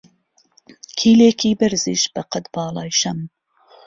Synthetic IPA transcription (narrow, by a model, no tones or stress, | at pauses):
kʰiːleːkiːbɨɾzḭːʃbɐqɐt̪bɑːlˠɑːjʃɐm